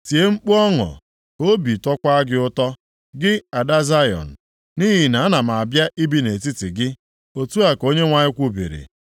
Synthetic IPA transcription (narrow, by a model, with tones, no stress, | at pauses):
ti˨e˦ŋ͡m̩˦k͡pu˦ɔ˦ŋɔ̰˨ | o˦bi˨tɔ˦kʷa˦ɡɪ˦ʊ˦tɔ˦ | ɡɪ˦a˨da˦za˦jɔ̰˨n̩˨ | ni˦ɦi˨na˨a˦na˨ma˨a˨bja˦ʔi˦bi˦ne˨ti˦tɪ˨ɡɪ˦ | o˨tu˦a˨ko˦ɲe˦ŋʷa˨ɲɪ˦kʷu˦bḭ˨ɾḭ˨